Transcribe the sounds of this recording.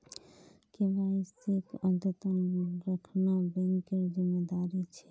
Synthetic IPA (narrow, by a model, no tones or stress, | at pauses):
kebaisekəd̪ət̪ənɾəkʰnabeŋkeɾd͡ʒimed̪aɾit͡ʃʰɛ